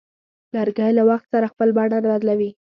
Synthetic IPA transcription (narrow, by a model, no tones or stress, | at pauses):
laɾɡajlawaxt̪saɾaxpəlbɑɽaɾbad̪lawi